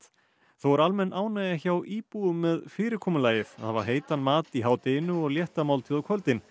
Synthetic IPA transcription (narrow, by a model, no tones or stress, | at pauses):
t̪ | θowaɾalmɛnːʔaːwnajaçawʔiːpuɣʏmːɛðfɪːɾɪɾkʰɔːmʏlaːjɪθaðθava̰ɾ̥ɦeːjt̪anmaːt̪iɦaːwt̪ejnʏɔɣljɛht̪amaːwlt̪ʰɪðawkʰvœlt̪ɪn